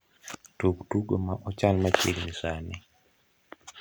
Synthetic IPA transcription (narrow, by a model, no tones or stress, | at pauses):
tuktuɡomaʔɔt͡ʃalmat͡ʃilmisanɛ